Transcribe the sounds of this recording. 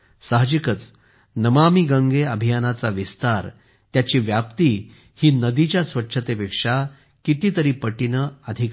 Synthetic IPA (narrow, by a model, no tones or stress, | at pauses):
saɦd͡ʑikət͡s | nəmamiɡə̃ŋɡeəbʱijanat͡saʋist̪aɾ | t̪jat͡ɕiːʋjapt̪iː | hiːnəd̪it͡ɕjasʋətːʂʰət̪epekʂa | kit̪iːt̪əɾiːpəʈinəəd̪ʱik